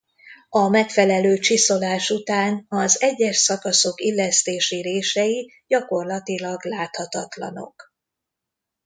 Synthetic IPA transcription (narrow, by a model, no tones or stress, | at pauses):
ɒmɛkfɛlɛløːt͡ʃiso̞laːʃut̪aːnɒzɛɟːɛʃsɒkɒso̞kilːɛst̪eːʃiɾeːʃɛji | ɟɒko̞rlɒt̪ilɒɡlaːt̪hɒt̪ɒt̪lɒ̰no̞̰k